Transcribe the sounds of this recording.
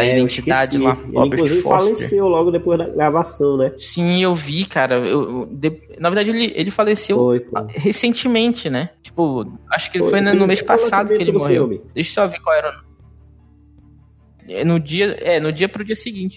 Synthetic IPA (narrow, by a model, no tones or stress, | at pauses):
ɐid̪ẽnt͡ʃid̪ad͡ʒɪlaɔ̰ĩkɾluzivɪfɔfalessewlɔɡʊd̪epojzd̪ɐɡɾavasɐ̃w̃nɛsĩewvikaɾɐḛwd̪e | nɐveɾd̪ad͡ʒɪelɪʔelɪfalesewojfɦesẽnt͡ʃɪmẽnt͡ʃɪnɛt͡ʃi̥pʊaʃʊ̥kɪelɪfojnɛnʊmeʃpasad̪ʊɪelɪd̪mohewiwmɪd̪ejʃʊ̥sɔavekwawɛɾɐnõ | ɛ̰nʊd͡ʒiɐɛnʊd͡ʒiɐpɾʊd͡ʒiɐsɪɡĩt͡ʃɪ